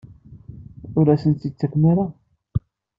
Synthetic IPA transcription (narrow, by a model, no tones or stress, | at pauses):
ʊɾæsənt̪it͡sːæknaɾa